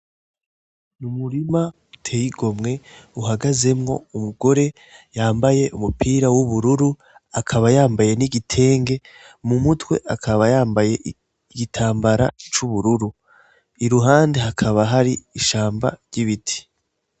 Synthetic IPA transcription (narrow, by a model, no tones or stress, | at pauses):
numuɾima | utʰejiɡo̞mŋe̞uɦaɡaze̞mŋo̞̰umuɡo̞ɾe̞ | jaːmbaje̞ʔumupʰiːɾawuβuɾuɾu | akʰaβajaːmbaje̞niɡitʰe̞ːŋɡe̞ | mumutwe̞̰ʔakʰaβajaːmbaje̞ | ɡitʰaːmbaɾa̰t͡ʃuβuɾuɾu | iɾuɦaːnde̞ɦakʰaβaɦaɾiiʃaːmba̰ɾɟiβitʰi̥